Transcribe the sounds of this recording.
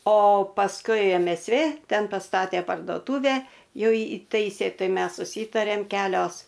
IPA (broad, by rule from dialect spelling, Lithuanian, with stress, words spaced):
oː pɐsˈkʊɪ ɛm ɛs ˈʋʲeː ˈtʲɛn pɐˈstɑːtʲeː pɐrdoːˈtuːʋʲæː ˈjuː ˈiːtɐɪsʲeː ˈtɐɪ ˈmʲɛs sʊˈsʲiːtɐrʲeːm ˈkʲæːlʲoːs